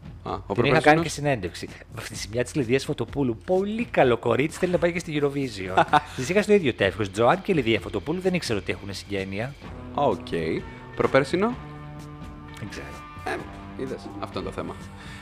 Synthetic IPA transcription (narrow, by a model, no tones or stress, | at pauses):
ɐ̰op̪eixɐkɐnicesine̞nd̪eksi | vɐft̪it̪isimɲɐt̪i̥zliðiɐsfo̞t̪o̞pulupo̞likɐlo̞ko̞ɾit͡si̥θe̞linɐpɐjicest̪iʝiɾo̞vizio̞sizixɐst̪oiðʝo̞t̪e̞fçosd͡zoɐnceliðiɐfo̞t̪o̞puluðenikse̞ɾoot̪ie̞xunesiɲɟe̞niɐ | ocʰej | pɾopeɾsino | eɡzḛɾo | e | iðesɐft̪oint̪oθḛmɐ